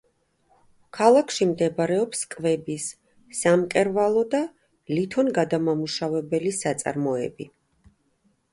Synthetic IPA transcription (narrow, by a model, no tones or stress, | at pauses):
kʰalˠakʰʃimd̪ɛbaɾɛɔpskʼvɛbisː | amkʼɛɾvalˠɔd̪a | lit̪ʰɔnɡad̪amamuʃavɛbɛlisat̪sʼa̰ɾmɔɛ̰bi